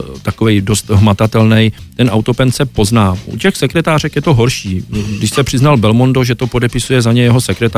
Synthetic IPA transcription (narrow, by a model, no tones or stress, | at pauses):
t̪ako̞vɛjdo̞st̪ɦmat̪at̪ɛlnɛjt̪ɛnʔawt̪o̞pɛnt̪sɛpo̞znaːʔṵcɛxsɛkɾɛt̪aːr̝ɛkjɛt̪o̞ɦo̞ɾʃiːɡdɪʃsɛpr̥ɪznalbɛlmo̞ndo̞ʒɛt̪o̞po̞dɛpɪsujɛzaɲɛjɛɦo̞sɛkɾɛt̪